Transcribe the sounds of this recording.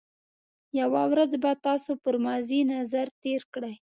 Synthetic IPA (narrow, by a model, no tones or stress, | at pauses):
jawawɾad͡zbat̪ɑsopəɾmɑzinazaɾt̪eɾkɽaj